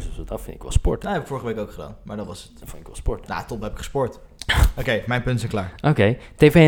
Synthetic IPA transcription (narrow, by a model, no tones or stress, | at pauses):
ssodɑfɪnɪkʋɛ̰lˠspɔ̰ɹtnaɛpɪkfʊːɹəχəʋejkowkχəda̰ːnmaːɹdɑnʋɑsətfɪnɪkʋɛ̰lˠspɔɹtna̰tɔpɦɛpɪkχə̥spɔɹtokejmɛjnpɵntsɛjŋklaːɹʔokejteve